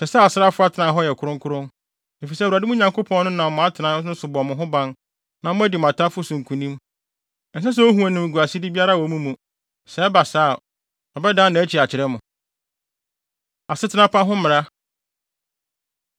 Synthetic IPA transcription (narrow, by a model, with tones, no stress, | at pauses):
sɛ˨sɛ˦˨sa˦fʊ˦a˦tʰɪ˨nã˨ɦɔ˦jɛ˨kʰʊ˨ɾʊ̃˦ŋkʰʊ˦ɾʊ̃˦n | e˨fi˨s̬ɛ˦˨wa˨dɪ˦mũ˦ɲã˨ŋko˦pʰɔ̃˦nnʊ̃˦nã˨ʊ̃˨˦a˦tʰɪ˨nã˨˦nʊ̃˦sʊ˨bɔ˨mʊ̃˨ɦʊ̃˦bã˦n | nã˨mʊ̃˦æ˦di˨m̃˨a˨tʰa˦fʊ˦sʊ̃˨ŋ̩˨kʰũ˨nĩ˦m˨ | n̩˨s̬a˦s̬ɛ˦o˦ɦũ˨æ̃˨nɪ̃˨m˨ɡu˨a˨si˦dɪ˦bi˦a˦ɾa˦˨wɔ˨mũ˦mũ˨ | sɛ˦ba˨saː˦˨ | ɔ˨bɛ˦dã˦nã˨æ˦t͡ɕʰi˨a˨t͡ɕʰɪ˨ɾɛ˦mʊ̃˨ | a˨sɪ˦tʰɪ˨˦nã˦pʰã˦ɦʊ̃˦mɪ̃˨ɾa˦